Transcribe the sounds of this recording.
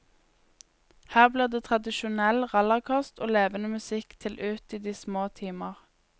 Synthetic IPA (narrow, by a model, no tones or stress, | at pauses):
hæːʁbliːʁd̪eːt̪ʰʁɑd̪ɪʃʊnɛlʁɑlɑʁkʰɑst̪oːleːʋənəmʉsɪkt̪ʰɪlʔʉːt̪iːd̪iːsmoːt̪ʰiːməʁ